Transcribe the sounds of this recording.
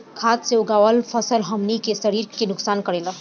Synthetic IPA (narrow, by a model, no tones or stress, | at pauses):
kʰaːt̪seʊɡaːʋəlpʰəsəlɦɐmnikesəɾiːɾkenʊksaːnkəɽeːla